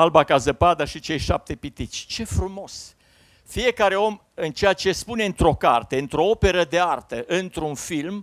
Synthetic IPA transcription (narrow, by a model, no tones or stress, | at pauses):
albakazəpad̪aʃit͡ʃe̞jʃap̚t̪e̞pit̪isʲt͡ʃe̞fɾumo̞s | fije̞kaɾe̞o̞m | ɨnt͡ʃejat͡ʃe̞spune̞ɨnt̪ɾo̞ka̰rt̪e̞ɨnt̪ɾo̞o̞pe̞ɾəd̪e̞art̪əʔɨnt̪ɾunfilm